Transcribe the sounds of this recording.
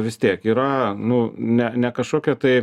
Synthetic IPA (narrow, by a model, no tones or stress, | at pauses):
ʋʲɪst̪ʲiɛkiːɾɐnʊnʲɛnʲɛkɐʃkoːkʲɛt̪ɐɪ